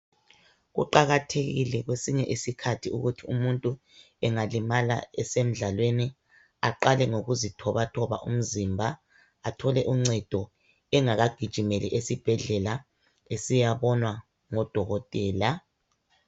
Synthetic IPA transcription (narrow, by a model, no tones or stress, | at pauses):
ɣṵǃaɣatʰeɣḭlɛɣwesiɲɛʔisikʰatʰiuɣutʰiumuntʼu | ɛŋalimala̰ɛsem̩ɮalweni | aǃalɛŋoɣuzitʰɔβatʰɔβa̰ʔum̩zimbʱa | atʰɔlɛʔuŋ͡ǀɛd̥ʱɔ | ɛŋaɣaɡ̥ʱid̥ʒ̥ʱimeliʔesib̥ʱɛɮɛla | esijaβɔnwa | ŋɔd̥ʱɔɣɔtʼɛːla